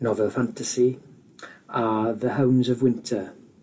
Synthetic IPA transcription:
nɔvɛlˠfãntʰəsi | aðəɦəwmzəvwɪ̃ntʰə

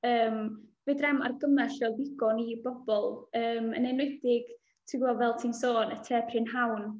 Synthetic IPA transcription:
əːmv̥edrɛma̰rɡəmɛɬrɛdɪɡɔnibɔb̥ɔlˠəːmə̰nɛnwɪdɪɡ̥ | tʰɪɡɔvɛlˠtʰiːnsoːnətʰɛːpʰrɪnɦawn

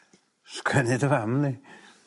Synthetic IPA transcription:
skʰwɛnɪdəvamni

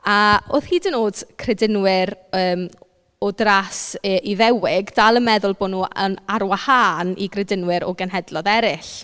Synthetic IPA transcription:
aoːθhiːdənoːd̥kʰrɛdɪnwɪɾəːm | ɔdrasəʔiðɛwɪɡdalˠəmɛðʊlˠboːnuːənaɾwahaːnḭɡrɛdɪnwɪɾɔ̰ɡɛnɦɛdlˠɔðɛɾɪɬ

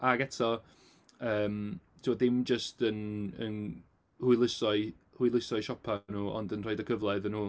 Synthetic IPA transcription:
aɡɛtʰɔ | əːmtʰɪwɔðɪmd͡ʒəstʰənə̰n | hujlˠɪsɔɨ | hujlˠɪsɔɨʃɔpʰanuːɔ̰ndənr̥ɔjdəkʰəvlˠɛðənuː

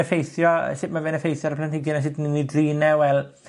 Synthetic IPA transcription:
əfejθjɔ̰ʃɪtmavɛnəfejθjɔɾəplantɪɡɪnaʃ̬ɪdninidriːnɛwɛlˠ

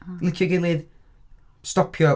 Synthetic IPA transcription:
lˠɪkʰjɔɡelˠɨð | stɔpʰjɔ

